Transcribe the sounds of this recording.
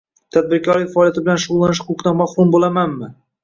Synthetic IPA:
t̪ʰad̪̚bɪɾkʰɒɾɪfaɒːlˠjat̪ʰɪbɪlanʃʊʁʊlˠːanɪʃhʊqʊqd̪anmahɾʊmbolamanmɪ

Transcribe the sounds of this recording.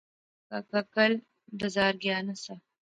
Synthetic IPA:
kakakəl | d̪əzɑːɾɡjɑnasa

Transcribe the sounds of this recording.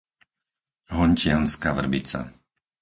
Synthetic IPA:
ɦɔɲcɪanskaʋr̩bit͡sa̰

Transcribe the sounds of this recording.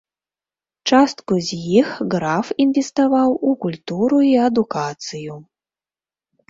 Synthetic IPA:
t͡ʂast̪kuzʲjixɣɾafinvʲɛst̪avawukulʲt̪uɾuiɐd̪ukat̪sɨju

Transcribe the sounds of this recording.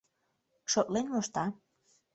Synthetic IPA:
ʃot̪lenmoʃt̪ɑ

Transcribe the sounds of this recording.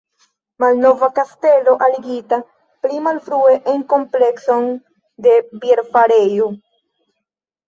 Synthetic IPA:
malno̞vakaste̞lo̞ʔaliɡita | plimalfɾue̞ʔeŋko̞mple̞kso̞n | de̞bieɾfaɾe̞jo

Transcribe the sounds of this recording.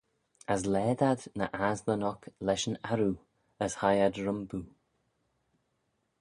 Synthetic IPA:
əslɛːd̪ad̪nə̰ʔazmənɔklɛʃənaɾu | əshajadɹəmbu

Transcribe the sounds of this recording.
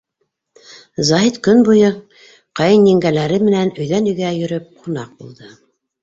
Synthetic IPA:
zɑɦit̪kɵnbujɤ | qɑjɤnjĭŋɡælæɾɘmɘ̆nænɵ̆jðænɵ̆jɡæjɵ̆ɾɵp̚qʰunɑq̚bṵlˠd̪ɤ

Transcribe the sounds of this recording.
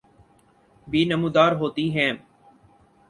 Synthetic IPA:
biːnəmuːd̪aːɾɦoːt̪iɦɛ̃ː

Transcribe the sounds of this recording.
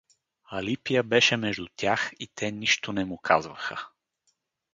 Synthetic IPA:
ɐlipijəbɛʃɛmɛʒd̪ʊt̪ʲjaxit̪ʰɛniʃt̪onɛmʊkʰazvəxə

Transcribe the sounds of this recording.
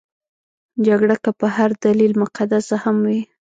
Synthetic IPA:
d͡ʒaɡɽakapəhaɾd̪alilmʊqad̪asahamwi

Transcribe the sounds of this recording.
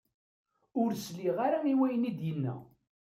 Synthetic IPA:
ʊɾsliʁaɾaiwæjənid̪jənːæ̰

